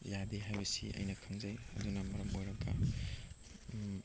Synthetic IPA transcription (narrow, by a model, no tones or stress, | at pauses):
jadeɦajbɐsḭʔɐ̰jnɐkʰɐŋzɐjhɐ̰dunɐmɐɾɐmojɾɐɡɐ̰